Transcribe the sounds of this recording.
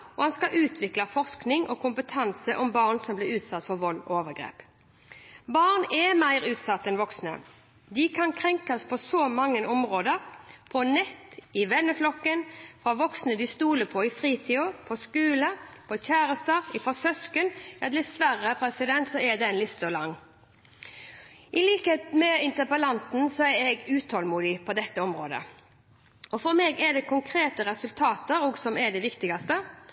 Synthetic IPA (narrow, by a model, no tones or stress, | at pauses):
ɔhɑnskɑʔʉːt̪ʰʋɪklɑfɔʁsknɪŋʔɔkʰʊmpət̪ʰɑnsəʔɔmbɑːʁnsɔmblɪʉːt̪sɑt̪ːfɔɾʋɔlːɔ̰oːʋəɡɾḛːp | bɑʁnɛmæɪʁʉːt̪sɑt̪ːɛnʋɔksnə̰ | d̪ɪkʰɑnkʰɾɛŋkɑspʰɔsɔmɑŋːənɔmʁoːd̪əɾpʰɔnɛt̪ːɪʋɛnːəflɔkːənfɾɑʋɔksnəd̪ɪst̪uːləpʰɔɪfɾiːt̪ʰiːɔpʰɔskʉːləpʰɔçæːɾəst̪əɾɪfɔsœskənjɑd̪lɛsʋæɾːəpʰɾɛsɪd̪ɛnt̪sɔɛd̪ɛnlɪt̪sɔlɑŋː | ʔɪliːkəheːt̪mɛɪnt̪əpəlɑnt̪n̩sɔɛɾɛɡʉːt̪ʰhɔlmuːd̪ɪpʰɔd̪ɛt̪ːəɔmɾoːd̪ə̰ | ʔɔfɔɾmɛɡɛɖ̪ɛkʰʊŋkʰɾeːt̪əɾʁɛsʉlt̪ʰɑːt̪əɾɔːɡsɔmɛɖ̪ɛʋɪkt̪ɪɡɑst̪ə